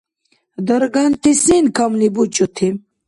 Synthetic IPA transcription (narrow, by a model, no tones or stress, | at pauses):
d̪ɐɾɡant̪isinkamlibut͡ɕut̪ʰim